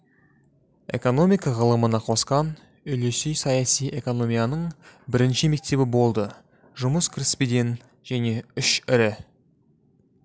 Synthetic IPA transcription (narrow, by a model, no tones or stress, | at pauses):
e̞̰ko̞no̞mijkɑʁəlˠəmənɑqʰo̞sqɑn | ʏlesyjsɑjɑsijʔe̞ko̞no̞mʲijanəɴbɪɾɪnʃɪme̞k̚t̪e̞bɪbo̞lˠd̪ə | ʒʊməskʲʰrispid̪en | ʒ̥æne̞ʏʃɪɾɪ